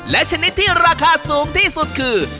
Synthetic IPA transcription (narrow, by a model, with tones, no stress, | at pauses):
lɛ˦˥t͡ɕʰa˧ni˦˥t̪ʰːiː˥˩ɾaː˧kʰaː˧suː˨˦ŋt̪ʰiː˥˩su˨˩t̪̚kʰɯː˧